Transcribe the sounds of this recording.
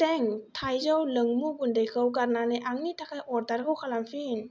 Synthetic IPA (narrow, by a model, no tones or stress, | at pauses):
t̪ɛŋt̪ʰajzɔwlɯŋmubundajkʰɯwkaɾnanajʔaŋnit̪ʰakʰajʔɔt̚t̪aɾkʰɯwkʰalamfin